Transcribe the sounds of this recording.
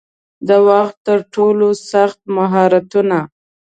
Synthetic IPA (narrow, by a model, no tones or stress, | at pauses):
d̪əwaxt̪ːəɾʈolosaxt̪̚maɦɑɾat̪una